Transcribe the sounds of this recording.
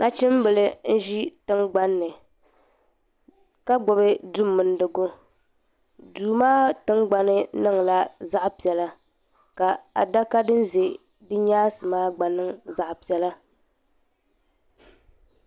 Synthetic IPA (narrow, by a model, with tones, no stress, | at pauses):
na˦t͡ʃɪ˦m˦bɨ˨lɨ˦n̩˦ʒi˦tɨ˦ŋɡ͡ba˦nːɨ˨ | ka˦ɡ͡bɔ˨bɨ˦du˦mːɨ˨n˦dɨ˨ɡo˦ | duː˨maː˦tɨ˦ŋɡ͡ba˦nɨ˦nɨ˦ŋla˦za˦ʔpi˨ɛ˨la˦ | ka˨a̰˨da˦ka˦dɨ˦n˦ze˨ | dɨ˦ɲaː˦sɨ˨maː˦ɡ͡ba˨nɨ˦ŋza˨ʔpi˨ɛ˨la˦